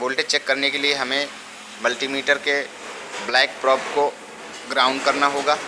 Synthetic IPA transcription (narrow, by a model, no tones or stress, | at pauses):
boːlʈeʈ̚t͡ʃɛkːɐɾnekelieɦɐmẽ | mɐlʈimiːʈəɾke | blɛːk̚pɾɔːbko | ɡɾaːʊ̃ɳɖkɐɾnaɦoːɡaː